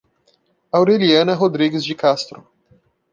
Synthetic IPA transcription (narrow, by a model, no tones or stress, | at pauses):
awɾeliɐ̃nɐɦod̪ɾiɡɪzd͡ʒɪkast̪ɾʊ